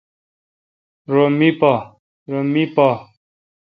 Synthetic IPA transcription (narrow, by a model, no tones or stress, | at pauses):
ɾomipa | ɾomipa